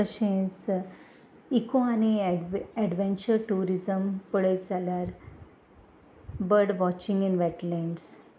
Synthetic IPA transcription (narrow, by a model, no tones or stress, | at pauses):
əɕẽs | ikõaniɛɖʋẽnt͡ɕəɾʈuɾizəmpəɭətd͡zaljaɾ | bəɾɖʋɔt͡ɕĩŋɡinʋɛʈlɛ̃ɳɖs